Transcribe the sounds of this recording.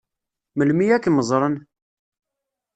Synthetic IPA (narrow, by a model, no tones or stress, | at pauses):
məlmiækːməzˤɾˤən